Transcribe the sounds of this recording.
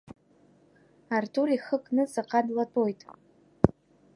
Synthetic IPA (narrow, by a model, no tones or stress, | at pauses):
artʰuriχəkʼnɨsaqʼadlatʼojtʼ